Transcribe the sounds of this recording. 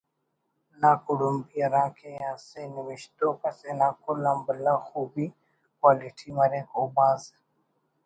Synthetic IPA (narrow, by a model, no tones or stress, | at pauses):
naːkʊɽʊmbiɐɾãːkʰẽãːsenɪʋɪʃt̪oːkɐsenãːkʊlambəlaːxuːbi | kwaːlɪʈʰimɐɾẽːkoːbaːz